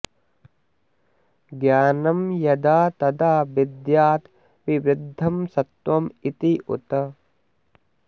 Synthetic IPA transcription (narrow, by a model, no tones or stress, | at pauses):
ɡjaːnɐmjɐd̪aːt̪ɐd̪aːbid̪jaːt̪ | ʋiʋid̪ʱːɐmsɐt̪wɐmit̪iʔṵt̪ɐ